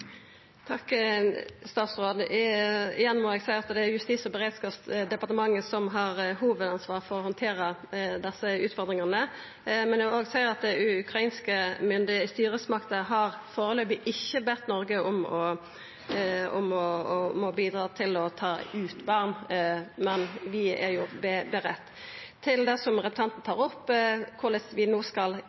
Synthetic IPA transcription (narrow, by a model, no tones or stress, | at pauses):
t̪ʰɑkː | st̪ɑːt̪sʁoːd̪ | ɪjɛnːmɔɛɡsæɪɾɑt̪d̪ɛæɾjʉst̪iːsɔbəɛɾeːd̪skɑpsd̪ɛpɑʁt̪əmɑŋːəsɔmɦɑʁɦuːʋəd̪ɑnsʋɑːʁfɔɾɔhɔnt̪ʰeːɾəd̪ɛsːəʉːt̪fɔɾd̪ʁɪŋɑnə | mɛndɛoːɡsæɪəɾɑt̪̚d̪ɛʉkɾɑiːnskəmʏnd̪ɪst̪yːɾəsmɑkt̪əɦɑʁfoːɾəløːbɪʔɪçːəbɛt̪nɔɾɡəʔɔmɔ | ɔ̰mɔmɔbiːd̪ɾɑːt̪ʰɪlɔt̪ʰɑːʉːt̪bɑʁnmɛnʋɪæ̰ʁjʊbɛbɛʁɛt̪ː | t̪ʰːɪld̪ɛsɔmʁɛp̚t̪ʰɑnt̪nət̪ʰɑːʁɔpːkʰʊlɛt̪ʋɪnoːskɑl